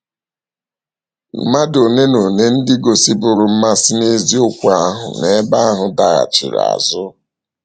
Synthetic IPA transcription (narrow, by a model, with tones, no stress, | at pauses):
m̩˦ma˦do˨ne˦no˨ne˦n̩˦dɪ˦ɡo˨si˦bʊ˨ɾʊ˨m̩˦ma˦si˦ne˦zi˦o˦kʷa˦ɦʊ̰˨ne˨˦ba˦a˦ɦʊ˨da˨ɣa̰˨t͡ʃḭ˨ɾa̰˨zʊ˦